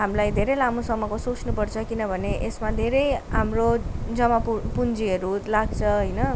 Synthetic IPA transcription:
ɦamlajd̪ʱeɾelamũsəməkosot͡ʃʰnupəɽt͡ʃʰʌkinʌbʱəneʔesmãd̪ʱeɾejamɾod͡zʌmapupund͡ʒieɾut̪laɡt͡ʃʰʌɦəjnʌ

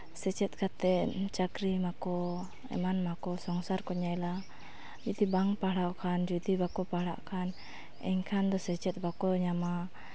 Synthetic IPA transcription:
sɛt͡ʃɛt̪̚kat̪ɛʔt͡ʃakɾimakɔ | ɛ̰manmakɔsɔŋsarkɔɲaila | d͡ʒud̪ibaŋpalawkʰand͡ʒud̪ibakɔpala̰ʔkʰan | ɛ̰ŋkʰand̪ɔsɛt͡ʃɛt̪̚bakɔɲama

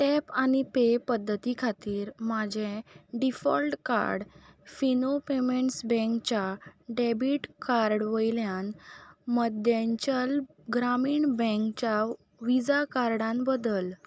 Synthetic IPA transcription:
ʈɛpañipepəd̪ʱːət̪ikʰat̪iːɾmad͡ʑʱeɖifɔ̰lʈka̰ɾɽfinopemeɳʈsbɛ̃ŋkt͡ɕaɖebiʈkaɾɖʋəjljãnməd̪jãɲt͡ɕəl | ɡɾamiːɳbɛ̃ŋkt͡ɕja | ʋid͡zakaɾɽãnbəd̪əl

